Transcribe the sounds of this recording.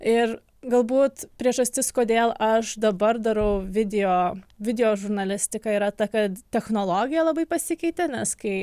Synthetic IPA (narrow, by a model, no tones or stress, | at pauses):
ɪr | ɡɐlˠbuːt̪pʲɾʲiɛʒɐsʲt̪ʲɪskoːdʲeːlˠɐʃd̪ɐbɐrd̪ɐɾɐʊʋʲɪd̪ʲɪjoːʋʲɪd̪ʲɛjoːʒʊɾnɐlʲɪsʲt̪ʲɪkɐiːɾɐt̪ɐkɐt̪t̪ʲɛxnoːlˠoːɡʲɪjɛlˠɐbɐɪpɐsʲɪkʲɛɪt̪ʲɛnʲɛskɐɪ